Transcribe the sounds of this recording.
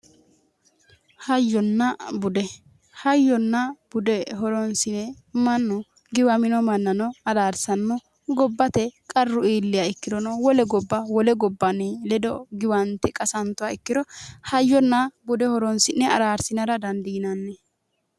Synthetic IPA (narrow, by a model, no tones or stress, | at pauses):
hɐjːɔnːɐbʊd̪ɛ | hɐjːɔnːɐb̥ʊd̪ɛɦɔɾɔnsɪnɛ | mɐnːɔ | ɡɪwɐmɪnɔmɐnːɐnɔɐd̪aːɾsɐnːɔ | ɡɔbːɐt̪ɛkʼɐrːʊiːlːɪjaɪkːɪd̪ɔnɔwɔlɛɡɔbːɐwɔlɛɡɔbːɐnɛlɛd̪ɔɡɪwɐnt̪ɛkʼɐsɐnt̪ːʊwaɪkːɪd̪ɔhɐjːɔnːɐbʊd̪ɛhɔɾɔnsɪnːɛɐɾaːɾsɪnɐɾɐd̪ɐnd̪inɐnːɛ